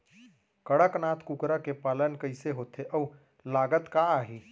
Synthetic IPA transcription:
kəɽəknaːt̪ʰkukɾakepaːlənkəɪseɦoːt̪ʰeʔəu | laːɡət̪kaaːɦiː

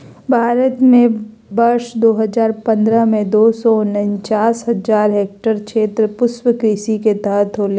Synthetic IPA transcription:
bʱaːɾət̪mẽ | bɐɾʃd̪oːɦəzaːɾpɐ̃nd̪ɾəmẽd̪oːsɔʊnənt͡ʃaːsɦɐzaːɾɦeːk̚ʈəɾkʃeːt̪ɾəpʊswəkɾiːsiket̪əɦət̪ʰɦoːle

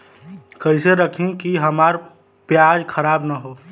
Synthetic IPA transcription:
kəɪseɾəkʰẽkiɦɐmaːɾ | pjaːd͡ʒkʰəɾaːbnaɦoː

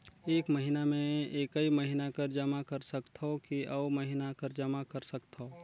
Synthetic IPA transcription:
eːkməɦɪnamẽeːkəiməɦɪnakɐɾd͡ʒɐmakɐɾsɐkt̪ʰokiʔɐomɐɦɪnakɐɾd͡ʒɐmakɐɾsɐkt̪ʰoː

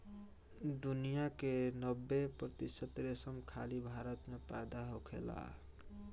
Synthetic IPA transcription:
d̪unijakenəbːepɾət̪isət̪ɾesəmkʰa̰libʱaɾət̪mepa̰jd̪aɦokʰḛla̰

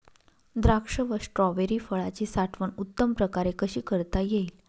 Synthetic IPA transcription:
d̪ɾakʂəʋəsʈɾɔʋeɾiːfəɭat͡ɕiːsaʈʰʋəɳut̪ːəmpɾəkaɾekəɕiːkəɾt̪ajeil

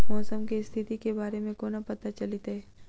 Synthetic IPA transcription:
mɔːsəmkist̪ʰɪt̪ikebaːɾemẽkoːnapɐt̪at͡ʃɐlit̪ɦɛː

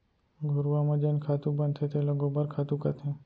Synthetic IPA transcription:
ɡʱʊɾʋamãd͡ʒenkʰat̪ũbənt̪ʰet̪ʰeloɡobəɾkʰat̪ũkat̪ʰẽ

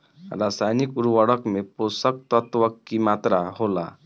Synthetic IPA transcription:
ɾasajnikuɾʋəɽəkmeposək̚t̪ət̪ʋəkːimat̪ɾaɦola̰

